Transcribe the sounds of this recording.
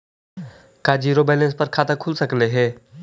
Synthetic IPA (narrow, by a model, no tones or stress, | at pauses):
kaːd͡ʒiːɾoːbeːlẽnspɐɾkʰaːt̪akʰʊlsəkleɦeː